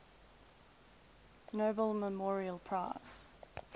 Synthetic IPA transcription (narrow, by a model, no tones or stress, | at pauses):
noːbəlˠməmɔːɹiəlˠpʰɹ̥aɪz̥